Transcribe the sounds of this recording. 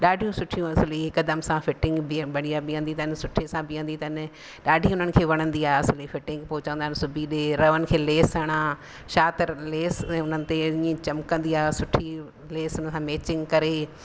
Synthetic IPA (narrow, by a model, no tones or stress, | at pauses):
ɗaːɖʱijũsʊʈʰijũɐsɪliɦɪkd̪əmsãfɪʈɪ̃ŋɡbɐɽ̃iaːbɪjə̃nd̪it̪ɐɪnɪsʊʈʰesãbɪjə̃nd̪it̪ɐɪn | ɗaːɖʱiʊn̤ənɪ̆kʰeːʋɐɽ̃ə̃nd̪iaːɦɐsɪlifɪʈɪ̃ŋɡpoːʊt͡ɕə̃nd̪aɦɪnɪsʊbʱiɗeːɾɐʋənɪ̆kʰeːleːsɐɽ̃ãː | ʃaːt̪ɪɾleːsɛ̃ʊnənɪ̆t̪eĩĩt͡ɕɐmkə̃nd̪iaːsʊʈʰi | leːsənɪ̆sãmeːt͡ɕɪ̃ŋɡkɐɾeː